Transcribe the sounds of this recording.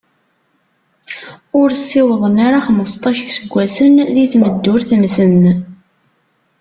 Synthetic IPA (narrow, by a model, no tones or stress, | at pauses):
ʊɾsːɪwəðˤənaɾaχməst̪ˤɑʃəksəɡʷːæsənðiθməd̪ːʊɾθnsən